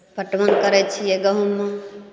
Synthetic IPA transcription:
pəʈʋənkəɾɛt͡ʃʰieɡəɦumːə

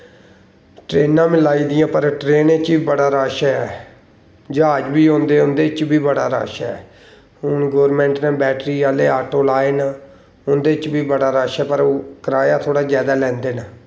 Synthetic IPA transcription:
ʈɾeːnːãːmɪlaːiːd̪ɪjãːpəɾʈɾeːnet͡ʃiːbəɽaːɾaːʃɛɛː | d͡ʒaːəd͡ʒbiːõːnd̪eːʊnd̪eːt͡ʃbiːbəɽaːɾa̰ːʃɛɛ̰ː | ɦʊnɡoːɾmɛ̃ːɳʈnãːbɛːʈɾiːaːleːaːʈoːlaːeːnaː | ʊnd̪eːt͡ʃbiːbəɽaːɾaːʃɛːpəɾokəɾaːjaːt̪ʰoːɽaːd͡ʒjaːd̪aːlɛ̃ːnd̪eːnaː

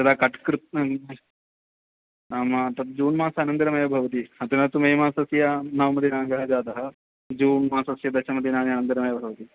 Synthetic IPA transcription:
ɐd̪aːkɐʈkɾɨt̪ | aːmɐt̪ɐt̪̚d͡ʒuːnmaːsɐɐnɐnd̪iɾɐmɐjɐbʱɐʋɐt̪̬iɐt̪inɐt̪umɐjmaːsɐsjɐnɐʋmɐd̪inaːŋɡɐɦɐd͡ʒaːd̪ɐɦɐ̆ | d͡ʒuːnmaːsɐsjɐd̪ɐʃɐmɐt̪inaːniɐnɐnd̪iɾɐmɐjɐbʱɐʋɐt̪i

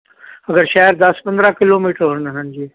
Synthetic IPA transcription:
ɐɡəɾʃaːɪɾd̪ɐspɐ̃nd̪ɾakɪloːmiːʈəɾɦʊnəɦənd͡ʑiː

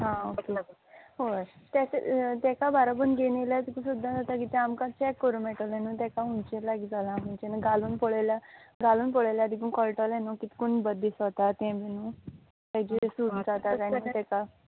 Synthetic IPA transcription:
ɦãoke | ɦoət̪jasḛt̪ɛkabʱaɾab̬ənɡenelat̪ikũsud̪ʱːad͡zat̪akit̪ɛ̃amkãt͡ɕɛkːəɾũːmɛʈəlɛnũt̪ɛkaunt͡ɕelaɡid͡zalãməɳt͡ɕɛnəɡaluːnpɔɭajlaɡaluːnpɔɭaljad̪ʱikunkəlʈəlɛnukit̪i̥kuɳbəd̪ʱːisɔt̪at̪ɛ̃bʱinũ | t̪ɛd͡ʑisud̪d͡zat̪akaɳ̃it̪ɛka

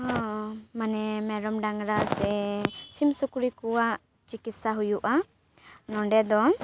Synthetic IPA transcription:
ɔ̃manɛmɛɾɔmɖaŋɡɾasɛsimsukuɾikuwaʔ | t͡ʃikit̪saɦujuʔa | nɔɳɖɛd̪ɔ

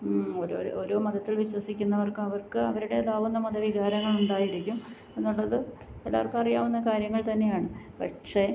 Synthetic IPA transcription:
oɾo̰ːoɾo̞ːmɐðɐt̪ːilʋiɕwɐsikʲːunːɐʋɐrkɨɐʋɐrkɨɐʋɐɾuɽe̞d̪aːʋunːɐmɐðɐʋiɣaːɾɐŋːɐɭuɳɖaːjiɾikʲːum | e̞nːuɭːɐðɨelːa̰ɐrkɨɐrijaːʋunːɐkaːɾjɐŋːɐɭt̪ɐnːe̞jaːɳɨpɐʈʂe̞

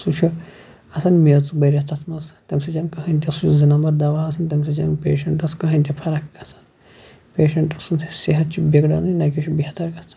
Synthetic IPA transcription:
sut͡ʃʰu | ɐsɐnmet͡subɐɾʲɐt̪ʰɐt̪ʰmɐst̪ɐmsɐt͡ʃɐnkɐɦɐnʲt̪̬ʲɐsut͡ʃʰuzɨnɐmɐɾd̪ɐʋaːɐsɐnt̪ɐms̬ɐt͡ʃɐ̰npʲeːʃɐɳʈɐskɐɦɐnʲt̪ʲɐpʰɐɾɐkkɐsɐn | peːʃɐɳʈɐsunseɦɐt̪̚t͡ʃʰibʲeɡɽɐnunɐkʲit͡ʃʰubʲit̪ɐɾɡɐt͡s̪ʰ

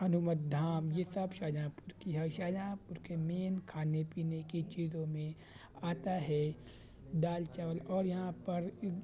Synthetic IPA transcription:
ɐnʊmət̪̚d̪ʱaːmjesɐbʃaːd͡ʒãːpʊɾkiɦɛʃaːd͡ʒãːpʊɾkemeːnkʰaːnepiːnekit͡ʃiːzõmẽ | aːt̪aɦɛ | ɖaːlt͡ʃəʋəlɔːɾjɐɦãpɐɾ

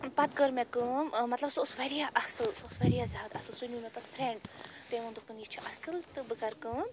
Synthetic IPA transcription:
pɐt̪̚ɡəɾmẽkɨ̃mɐt̪lɐbsosʋeɾijaʔɐsɨlsosʋɐɾijazʲaːd̪ɐsɨlsunumet̪ɐspʰɾẽɳɖt̪eʋɐ̃nd̪ukp̪ɨnit͡ʃʰiʔɐsɨlt̪ɨbɨkɐɾkɨ̃

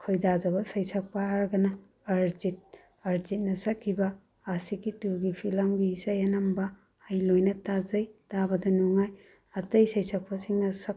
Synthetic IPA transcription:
kʰojdazɐbɐsɐjsɐk̚pɐaɾɡɐnɐː | ɾd͡ʒit̚ | ɐɾzit̚nɐsɐkʰːibɐ | asikituɡipʰilɐŋbisajɐnɐmbɐ | ajlojnɐtazɐjtabɐdɐnuŋaj | ɐtɐjsɐjsɐk̚pɐsiŋnɐsɐk̚

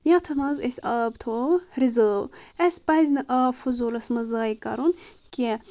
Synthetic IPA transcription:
jɐ̃t̪ʰɐmɐzesʲɐːbt̪ʰoːɾizəːwɐsʲpɐzʲnɐʔaːfuzulɐsmɐzaːikɐɾunki

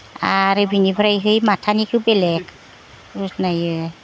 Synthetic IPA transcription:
aɾɯbinibʱɯɾajɦɯjmatʰanikʰɯwbelɛk | usnajɯ

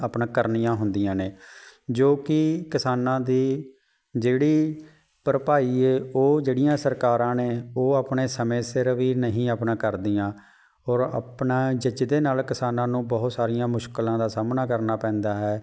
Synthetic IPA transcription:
əpnãːkəɾnijãːɦʊnd̪ɪjãːneːd͡ʒoːkɪkɪsaːnãːd̪iː | d͡ʒeːɽiː | pəɾəpaːiːeːoːd͡ʒeːɽɪjãːsəɾkaːɾãːneːoːaːpɳeːsəmẽːsɪɾʋiːnəɦĩːaːpnãːkəɾd̪ɪjãː | ɔːɾə̰pnaːd͡ʒəd͡ʒd̪eːnaːlkɪsaːnãːnũːbɔɦʊt̪saːɾɪjãːmʊʃkəlãːd̪aːsaːmnaːkəɾnaːpɛ̃ːnd̪aːɦɛː

